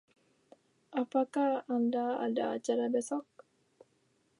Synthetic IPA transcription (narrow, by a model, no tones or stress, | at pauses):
ʔapakahandaa̰da̰ːt͡ʃaɾabɛsɔk̚